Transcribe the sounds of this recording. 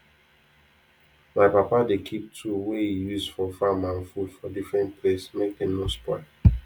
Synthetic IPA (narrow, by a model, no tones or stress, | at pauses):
maɪpapadekʰip̚tʰuwehijuzfɔfamãnfudfɔdifɹɛ̃nt̚pʰlesmek̚denospɔɪl